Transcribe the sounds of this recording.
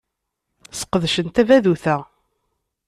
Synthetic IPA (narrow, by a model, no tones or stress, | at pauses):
sə̥qəðʃənt̪ævæðuθæ